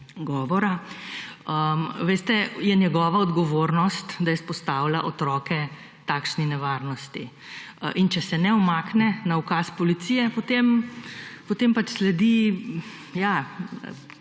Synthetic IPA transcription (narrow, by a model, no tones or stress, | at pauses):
ɡɔːʋɔɾa | əʋeːst̪ɛjɛnjɛɡɔːʋaɔd̪ɡɔʋoːɾnɔst̪d̪ajɛspɔst̪aːwlaʔɔt̪ɾɔkɛ | t̪aːkʃninɛʋaɾnɔst̪i | ʔint͡ʃɛsɛnɛɔmaknɛnaukaspɔlit̪siːjɛpɔt̪eːm | pɔt̪eːmpat͡ʃslɛd̪i | ja